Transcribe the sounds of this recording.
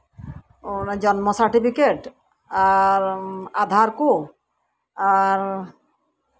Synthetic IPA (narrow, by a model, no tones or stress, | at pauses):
d͡ʑɔnmosaɾʈipʰikeʈ | aɾad̪ʱaɾko | aɾ